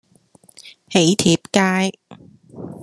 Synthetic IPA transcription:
he˨˥jt̪ʰiː˨˥˩p̚kaː˥j

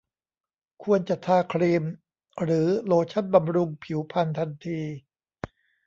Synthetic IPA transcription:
kʰu˧ənt͡ɕa˨˩t̪ʰaː˧kʰɾiː˧m | ɾɯː˩˦loː˧t͡ɕʰa˥˩nba˧mɾu˧ŋpʰi˩˦wpʰa˧nt̪ʰa˧nt̪ʰiː˧

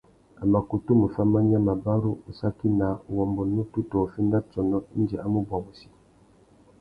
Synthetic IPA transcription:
a˨ma˨ku˨tu˦mu˨fa˦mːa˦ɲa˦ma˨ba˦ɾu˦u˨sa˦ki˦na˨˦˨wɔ˨mbu˨nu˦tu˦tɔ˨fi˦na˦t͡sɔ˨nɔ˦n̩˦d͡ʒɛ˨ʔa˦mu˦bɔ˨bu˨si̥˦

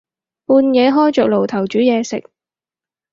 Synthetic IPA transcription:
puː˧njɛː˨˧ɦɔː˥jt͡ʃœː˨k̚lo˨˩wt̪ʰɐ˨˩wt͡ʃyː˨˥jɛː˨˧sɪ̰˨k̚

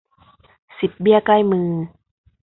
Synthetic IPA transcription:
si˨˩p̚bi˥˩əkla˥˩jmɯː˧

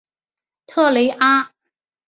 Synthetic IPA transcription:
t̪ʰɤː˥˩le˨˥jʔaː˥ | t

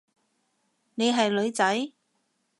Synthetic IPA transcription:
ne˨˧jɦɐ˨jlɵ˨˧ɥt͡sɐ˨˥j

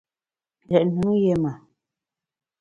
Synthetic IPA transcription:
lɛ˨ʔnɨ˨˦ŋje˦ma˨

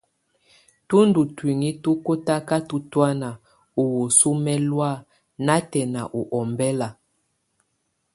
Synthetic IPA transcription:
tu˦ndu˨twi˨ŋi˦tu˦ko˦ta˦ka˦tu˦twa˦na˨ | o˨wo˨su˦mɛ˦lwa˦˨ | na˦tɛ˨na˨ʔu˨ʔɔ˨mbɛ˦la˨

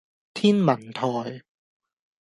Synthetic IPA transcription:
t̪ʰiː˥nmɐ˨˩nt̪ʰɔː˨˩j

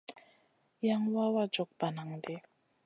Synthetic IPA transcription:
ja˦ŋwa˦wa˦d͡ʒɔ˨k̚ba˨na˨ŋde˦

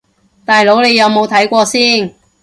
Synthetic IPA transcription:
t̪aː˨jlo˨˥wne˨˧jɐ˨˧wmo˨˧wt̪ʰɐ˨˥jkʷɔː˧siː˥n

